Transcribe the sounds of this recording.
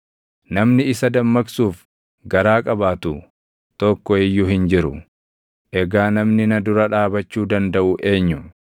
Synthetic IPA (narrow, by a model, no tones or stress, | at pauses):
nɐmnɪɪsɐd̪ɐmːɐksuːf | ɡɐɾaːkʼɐbaːt̪ʊ | t̪ɔkːɔɪjːʊɦɪnd͡ʒɪɾʊ̰ | ʔɛɡaːnɐmnɪnɐd̪ʊɾɐᶑaːbɐt͡ʃːuːd̪ɐnd̪ɐʔʊʔe̞ːɲːʊ